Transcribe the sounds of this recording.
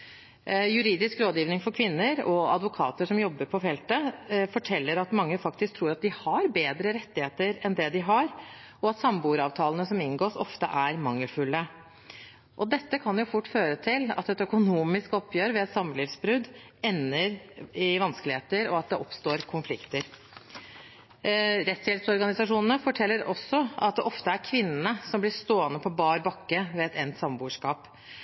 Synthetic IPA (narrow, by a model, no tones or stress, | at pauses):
jʉɾiːd̪ɪskɾoːd̪jiːʋnɪŋfɔɾkʰʋɪnːəɾɔɑd̪ʋʊkʰɑ̰ːt̪əʂɔmjɔbːəɾpʰɔfɛlt̪əfɔʈʰɛlːəɾɑt̪mɑŋːəfɑkt̪ɪsk̚t̪ʰɾuːɾɑt̪̚d̪ɪhɑɾbeːd̪ɾəɾɛt̪ːɪheːt̪əɾɛnd̪ɛd̪ɪɦɑɾ | ʔɔɑt̪sɑmbuːɾɑːʋt̪ʰɑːlənəsɔmɪnɡoːʂɔ̰ft̪ə̰ʔæɾmɑŋːəlfʉlːə | ʔɔd̪ɛt̪ːəkʰɑnjʊfʊʈːføːɾət̪ʰɪlɑ̰t̪ɛt̪œkʊnuːmɪskɔpʰjøːɾʋɛɛt̪sɑmːəlɪfsbɾʉd̪ | ɛnːəɾɪʋɑnskəlɪheːt̪əɾɔɑt̪̚d̪ɛʔɔpst̪oːɾkʰʊnflɪkt̪əɾ | ɾɛt̪shɛlsɔɾɡɑnɪsɑʂuːnənəfɔʈʰɛlːəɾɔsːɔɑ̰t̪̚d̪ɛʔɔft̪əæɾkʰʋɪnːnəsɔmblɪʂt̪oːənəpʰɔbɑːɾbɑkːəʋɛɛt̪ʰɛnt̪sɑmbuːʂkɑːp